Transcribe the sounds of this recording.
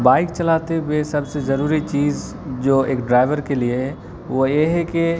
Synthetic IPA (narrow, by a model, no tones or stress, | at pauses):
baːɪk̚t͡ʃɐlaːt̪ewesɐbsezɐɾuːɾit͡ʃiːz | d͡ʒoːeːkɖɾaːɪʋəɾkelieɦɛ | ʋojeɦɛke